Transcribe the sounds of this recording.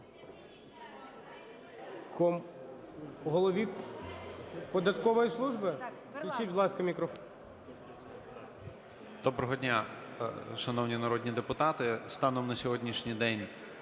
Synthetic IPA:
kɔ | ɦɔlˠɔʋʲi | pɔd̪ɐt̪kɔʋɔjislˠuʒbɪ | k̪lʲit͡ʃitʲbd̪lˠɑskɐmʲikɾɔf | d̪̥ɔbɾɔɦɔdʲnʲa | ʃɐnɔwnʲinɐɾɔdʲnʲid̪epʊt̪ɑt̪ɪst̪ɑnɔmnɐsʲɔɦɔdʲnʲiʃnʲijd̪ɛnʲ

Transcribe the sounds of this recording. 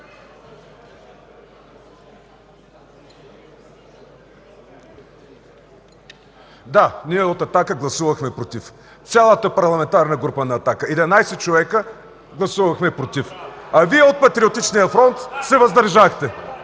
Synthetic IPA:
d̪aniɛot̪ɐt̪akəɡlˠɐsuvɐxmɛpɾot̪if | t̪sʲalˠət̪əpɐɾlˠɐmɛnt̪aɾnəɡɾupənɐːt̪akəɛd̪ɛnajsɛt͡ʃovɛkə | ɡlˠɐsuvɐxmɛpɾot̪ifɐviɛot̪̚pɐt̪ɾiot̪it͡ʃnijəfɾɔnt̪sɛvɐzd̪əɾʒaxt̪ɛ

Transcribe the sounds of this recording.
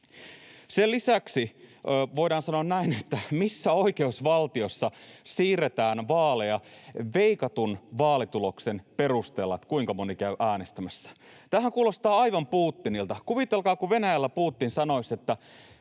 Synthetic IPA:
selisæksiʋo̞iɾɑːnsɑnoɑnnæinet̪ːæmisːæo̞ike̞usʋɑlt̪iosːɑsiːret̪æːnʋɑːlejɑʋeikɑt̪unʋɑːlit̪ulo̞ksenperust̪eːlːɑt̪kuiŋkɑmonikæyʔæːnest̪æmæsːæ̥t̪æːhæŋkuːlost̪ɑːɑiʋɑmpuːt̪ːinilt̪ɑkuʋit̪elkɑːkuʋenæjælːæpuːt̪ːinsɑnoisʲet̪ːæ

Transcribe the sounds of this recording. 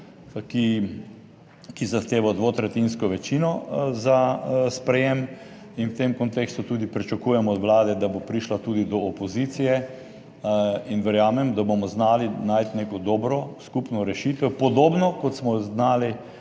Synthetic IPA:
ki | kizaxt̪eːʋad̪ʋoːt̪ɾɛt̪inskɔʋɛt͡ʃinɔzaspɾɛjem | inwt̪emkɔnt̪eːkst̪ut̪ud̪ipɾit͡ʃakuːjɛmɔːd̪ʋlaːd̪ɛd̪abopɾiʃlat̪ud̪id̪ɔːpɔzit̪sijɛ | inʋɛɾjaːmɛmd̪abomɔznaːlinajt̪neːkɔd̪ɔːbɾɔskupnɔɾɛʃiːt̪ɛpɔd̪oːbnɔkɔt̪smɔznaːli

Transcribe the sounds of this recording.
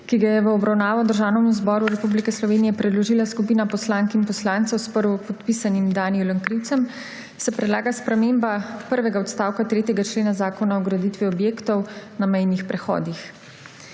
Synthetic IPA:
kiɡajɛʋəɔbɾawnaːʋɔd̪əɾʒaːwnɛmuzbɔːɾuɾɛpublikɛslɔʋeːnijɛpɾɛd̪lɔʒilaskupiːnapɔslaŋkimpɔslaːnt̪sɛwspəɾʋɔpɔt̪pisanimd̪aːnijuləŋkɾiwt̪sɛm | sɛpɾɛd̪laːɡaspɾɛmeːmbapəɾʋɛɡaɔt̪st̪aːwkat̪ɾeːt̪jɛɡat͡ʃleːnazaːkɔnaɔɡɾad̪it̪ʋiɔbjeːkt̪ɔwnamɛjnixpɾɛxɔ̰ːd̪ix

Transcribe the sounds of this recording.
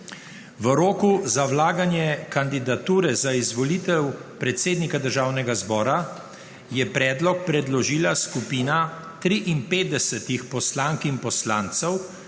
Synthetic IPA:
ʋəɾoːkuzawlaːɡanjɛkand̪id̪at̪uːɾɛzaizʋɔliːt̪ɛwpɾɛt̪seːd̪nikad̪əɾʒaːwnɛɡazbɔːɾa | jɛpɾɛːd̪lɔk̚pɾɛd̪lɔʒiːlaskupiːna | t̪ɾiʔinpeːd̪̚d̪ɛsɛt̪ixpɔslaːŋkinpɔslaːnt̪sɛw

